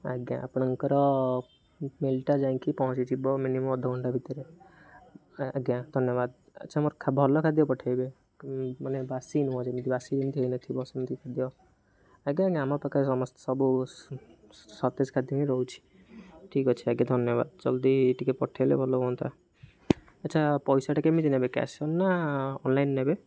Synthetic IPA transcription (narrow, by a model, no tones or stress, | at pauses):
aɡjã̰a̰pɳ̃əŋkəɾɔ | melʈad͡ʒãkipɔɦɔ̃t͡ʃit͡ʃʰibɔminimɔmɔd̪ʱɔɡɔɳɖabʱit̪əɾe | aɡjãd̪ʱənjəbad̪ | ə̰t͡ʃʰamɔɾkʰabʱɔlɔkʰad̪jɔpɔʈʰebe | mənebasinɔ̃d͡ʒemd̪ibasid͡ʒemt̪iɦoinət̪ʰibɔsint̪ikʰad̪jo | aɡãɡãamapɔkaɾesɔmɔst̪ɔ̥sɔbu | sɔt̪eskʰad̪jɔmiɾɔɦut͡ʃʰi̥ | ʈʰikɔt͡ʃʰiaɡad̪ʱɔnjɔba̰d̪̚d͡ʒɔld̪iːʈikepɔʈʰejlḛbʱɔlɔɦɔnt̪ʰa | ɐtːʃʰapɔjsaʈakemit̪inebeka̰sɔnːaɔnlajnːebe